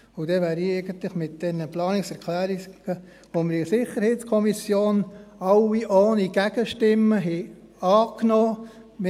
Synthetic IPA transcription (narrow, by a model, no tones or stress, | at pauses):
ud̥ɛʋæːɾiɛɪɡənt̪lɪχmɪt̚d̥ɛnəplɑːnɪksɛɾkʰlæːɾiɡ̥ə | ʋoməɾisɪχːəɾhɛːtskʰɔmisjoːnɑlːiʔoːniɡ̥æɡ̥əʃtɪmːəɦɛɑːknɔː | m